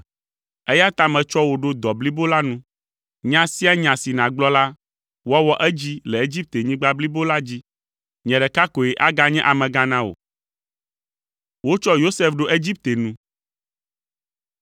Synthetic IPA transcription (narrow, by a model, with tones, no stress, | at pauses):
ɛ˦ja˦t̪a˨mɛ̃˨t͡ʃɔ˦wo˨ɖo˦d̪ɔ˨bli˦bo˦la˦nũ˦ | ɲã˦si˦a˦ɲã˨si˨nã˨ɡ͡blɔ˦la˦ | wɔ˦wɔ˦ʔɛ˦d͡ʑi˦lɛ˨e˦d͡ʑi˦p̚t̪e˨ɲĩ˦ɡ͡ba˦bli˦bo˦la˦d͡ʑi˦ | ɲɛ̃˨ɖɛ˨ka˦ko˨ɛ˨ʔa˦ɡa˦ɲɛ̃˦ʔa˨mɛ̃˨ɡã˦nã˦o̰˨ | wo˦t͡ʃɔ˦jo˦sɛ˦fɖo˦ʔe˦d͡ʑi˦p̚t̪e˨nũ˦